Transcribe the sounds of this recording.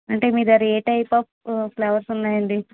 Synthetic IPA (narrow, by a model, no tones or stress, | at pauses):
ɐɳʈeːmiːɾɐɾeːʈɐjpɐpplɐʋɐɾsunːaːjɐnd̪i